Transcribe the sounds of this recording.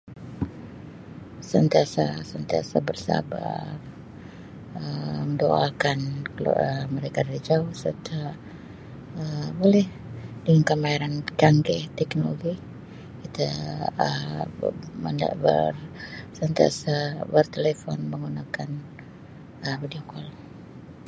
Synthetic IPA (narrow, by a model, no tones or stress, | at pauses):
sənt̪iasasənt̪ia̰sa̰bərsa̰ba̰r | əməndoa̰lkankl̰əməɾekadaɾid͡ʒaʊhsə̰rt̪a | əbolɛh | dəŋankəmaiɾant͡ʃaŋɡɛt̪ɛknoloɡi | kit̪aə | mənda̰bə̰rsənt̪ia̰sabərt̪elefɔnməŋɡunakan | əmbidiokal